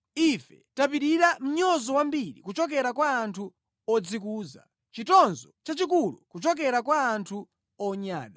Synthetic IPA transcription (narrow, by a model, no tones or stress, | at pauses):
ifɛtap̬iɾiɾam̩ɲɔzɔwambiɾḭkut͡ʃɔk̬ɛɾakwaːntʰu | ɔd͡zikuːza̰ | t͡ʃitɔnzɔt͡ʃat͡ʃik̬ulṵkut͡ʃɔkɛɾakwaːntʰu | ɔɲaːɗa